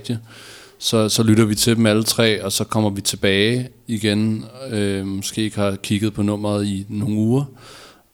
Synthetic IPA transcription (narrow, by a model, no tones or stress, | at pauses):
d̥ə | sɒ̽sɒ̽lyɾɐʋit͡sʰe̝d̥em̩ælət͡sʰʁɛ̰ːɒ̽sɒ̽kʰɒ̽m̰ɐʋit͡sʰe̝b̥ɛːɪ | iɡ̥enømɔ̽sɡ̥e̝̰ːeɡ̥hɑ̈kʰiɡ̥ð̞̩ˠpʰɒ̽nɔ̽m̰ɐð̩ˠino̝ŋ̩uːɐ